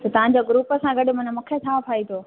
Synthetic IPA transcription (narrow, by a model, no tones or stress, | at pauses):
t̪ɐt̪ɐʋãɲd͡ʑoɡɾuːpəsãɡɐɗmʊ̃nmʊ̃kʰet͡ɕʰaːpʰaːit̪ʰoː